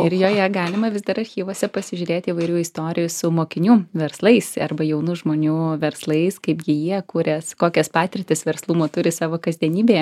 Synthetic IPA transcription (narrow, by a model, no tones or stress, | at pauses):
ɪɾjoːjɛɡɑːlʲɪmɐʋʲɪzd̪ɐɾɐrʲxʲiːʋoːsʲɛpɐsʲɪʒʲʊːɾʲeːt̪ʲiːʋɐɪɾʲuːɪst̪oːɾʲɪjʊsʊmoːkʲɪnʲuːʋʲɛɾslˠɐɪsɐrbɐjɛʊnuːʒmoːnʲuːʋʲɛɾslˠɐɪskɐɪpɡʲɪjiɛkʊɾʲɛskoːkʲɛspɑːt̪ʲɪɾrʲt̪ʲɪsʋʲɛɾslˠuːmoːt̪ʊɾʲɪsɑːʋoːkɐzʲd̪ʲiɛnʲiːbʲeː